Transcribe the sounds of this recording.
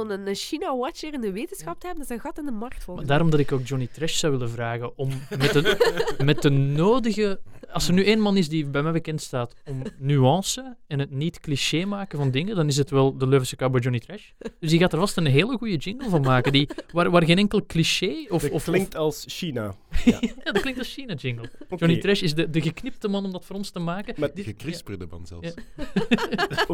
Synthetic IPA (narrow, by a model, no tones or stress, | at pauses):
nənʃinawɔt͡ʃəɾɪndəʋeːtənsxɑp̚təɦɛbəndɑzɛɣɑtɪndəmɑrk̚tfɔmadaːɾɔmdɑtɪkoːk̚d͡ʒɔnitrɛʃsɑwʋɪləvraːɣəʔɔmmɛtəmɛt̚dənoːdəɣəɑlˠsərnyːeːnmɑnɪsdibɛjmɛjbəkɛntstaːtɔmnyɑːsəɛnɦətnitkliʃeːmaːkəvɑndɪŋədɑnɪs̬ətʋɛlˠdəløːvəsəkaboːd͡ʒɔnitrɛʃ | d̥ʏsdiɣaːtaːrvɑstənɦeːləɣujəd͡ʒɪŋɡəlˠvɑnmaːkəndiʋaːʋaːrɣeːnɛŋkəlˠkliʃeːɔfɔfklɪŋktɑlˠsʃina̰ | jaːdɑtklɪŋk̚tɑlˠsʃinad͡ʒɪŋɡəlˠd͡ʒɔnitrɛʃɪsdədəɣəknɪp̚təmɑnɔmdɑtfoːɾɔnstəmaːkəaəkrɪsbɪdəmɑ̰nzɛ̰lˠ